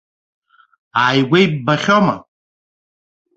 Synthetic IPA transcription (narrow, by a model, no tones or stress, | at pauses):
aːjɡʷejbbaχʲoma̰